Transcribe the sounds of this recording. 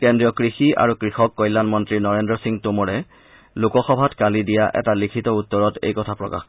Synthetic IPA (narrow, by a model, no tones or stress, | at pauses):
kɛndɹijɔkɹixia̰ɹukɹixɔkːɔjlːanmɔntɹinɔɹendɹɔsiŋtumɔɹɛ | lukɔxɔbʱatkalidijaʔɛ̰talikʰitɔutːɔɹɔtḛjkɔtʰapɹɔka̰x